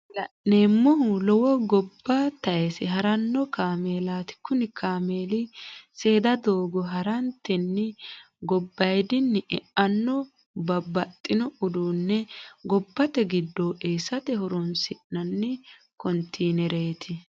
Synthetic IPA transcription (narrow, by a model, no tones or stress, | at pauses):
lɐʔnemːɔhʊlɔwɔɡɔbːɐt̪ɐjɛsɪɦɐɾɐnːɔkaːmeːlaːt̪ɪ̥kːʊnɪkʰaːmeːlɪseːd̪ɐd̪o̞ːɡɔɦɐɾɐnt̪ːɛnːɪ | ɡɔbːɐjd̪ɪnːɛɛʔɐnːɔ | bɐbɐt̪ʼːɪnɔʊd̪uːnːɛɡɔbːɐt̪ɛɡɪd̪ːɔʔeːsɐt̪ɛɦɔɾɔnsɪʔnɐnːɛ | kɔnt̪ʰeːnɛɾeːt̪ʰɪ